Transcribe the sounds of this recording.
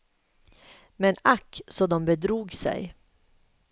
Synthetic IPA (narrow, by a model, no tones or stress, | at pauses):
mɛnakːsɔd̪ɔmbɛd̪ɾuːɡsɛ̰j